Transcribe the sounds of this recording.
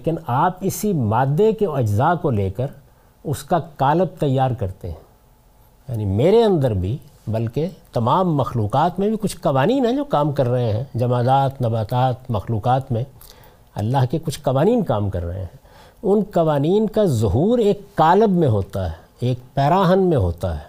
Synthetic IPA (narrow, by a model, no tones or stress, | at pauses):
eːkɪnaːpɪsimaːd̪ːekeɐd͡ʒzaːkoleːkəɾ | ʊskakaːləb̚t̪ɐjːaːɾkɐɾt̪ḛɦɛ̃ː | ja̰ːnimeːɾeɐ̃nd̪əɾbʱibɐlket̪ɐmaːmːɐxluːqaːt̪mẽbʱikʊt͡ʃʰkɐʋaːniːnɦɛ̃d͡ʒoːkaːmkɐɾːɐɦẽɦɛ̰̃d͡ʒɐmaːd̪aːt̪nɐbaːt̪aːt̪mɐxluːqaːt̪mẽ | ɐ̰lːaɦkekʊt͡ʃʰkɐʋaːniːnkaːmkɐ̰ɾːɐ̰ɦḛ̃ɦɛ̃ | ʊnkɐʋaːniːnkazʊɦuːɾeːkːaːləbmẽɦoːt̪aɦɛː | eːkpɛːɾaːɦənmẽɦo̰ːt̪a̰ɦɛː